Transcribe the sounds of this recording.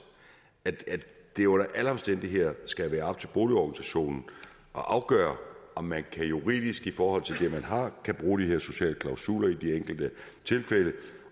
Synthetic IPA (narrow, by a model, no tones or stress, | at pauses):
æd̥æ̥d̥e̝joɾ̥æʔælɐɒ̽msd̥en̰d̥iɦe̝ð̰ˠɐsɡ̥æʋæːɐɑ̈b̥̚t͡sʰe̝lb̥o̝ːliɒɡ̥nisæɕo̝̰ːnn̩ | ʔɒ̽ʔɑ̈ʊɡ̥œ̰ːɐɒ̽mːænkʰæjuʁḭːðˠisɡ̥ifɒːhɒ̽l̰t͡sʰe̝ld̥e̝mænɦɑ̈kʰæb̥ʁuːd̥iɦeɐ̰so̝ɕɛ̰ːləkʰlɑ̈ʊsṵːlɐid̥ieŋ̰ɡ̥l̩d̥ət͡sʰe̝lfelə